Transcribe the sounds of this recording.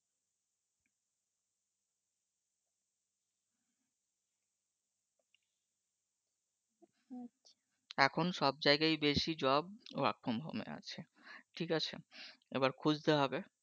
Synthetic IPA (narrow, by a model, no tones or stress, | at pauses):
ɛkʰonʃɔbd͡ʑaeɡajbeʃid͡ʑɔb̚a̰k̚pʰombʱo̰mḛa̰t͡ɕʰe | ʈʰikat͡ɕʰḛebaɾkʰud͡ʑt̪eɦɔbe